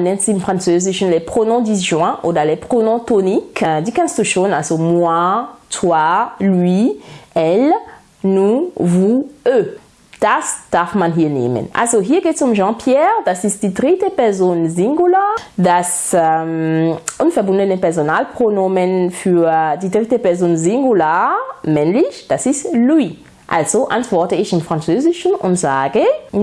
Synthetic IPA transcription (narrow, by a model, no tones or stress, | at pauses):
nɛ̃nsinfʁɑ̃nsøːziʃnlɛpχonɔ̃diʒwɛ̃ʔo̰dalepχonɔ̃tonikdikɛ̃nstuʃonalzomwatʰwaliɛl | nuvuø | d̥asd̥afmãnɦiːɐnḛːmə̰na̰lzoɦiːɐɡetsumʒɑ̃pjɛʁd̥asist̚d̥idʁitəpɛzonzɪŋɡulaːd̥as | ɛmʔʊnfɛɐbʊndənəpɛɐzonaːlpʁ̥onoːmənfyːɐdiːdʁɪtəpɛɐzoːnzɪŋɡulaːmɛnlɪçd̥asɪstlui | ʔa̰lzoʔantv̥ɔɐtəɪçɪmfʁ̥ant͡søːzɪʃn̩ʔʊntz̥aːɡə